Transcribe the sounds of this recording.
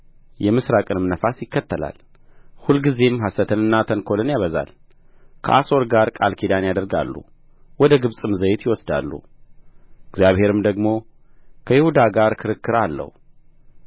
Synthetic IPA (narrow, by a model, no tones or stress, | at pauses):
jɛmɨsɾakʼɨnmnəfasjɪkːət̪ʰːəla̰l | hulɡize̞mɦasət̪ʰɨnɨnːat̪ʰəŋkʰo̞lɨnjaβəza̰l | kʰə̰ʔa̰so̞ɾɡaɾkʼalkʰid̪anjad̪əɾɡa̰lːṵ | wɔd̪əɡɨβsʼɨmzəjɪt̪jɪwɔsd̪a̰lːṵ | ɨɡzjaβhe̞ɾɨmd̪əɡmo̞ | kʰəjɪhud̪aɡaɾkʰɨɾɨkːɨɾalːə̰hw